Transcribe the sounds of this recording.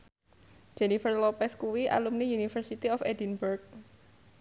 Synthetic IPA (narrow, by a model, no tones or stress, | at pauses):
d͡ʒ̥ɛnifərlɔpɛskuwiʔa̰lumnijunifərsit̪iɔfɛdinburk̚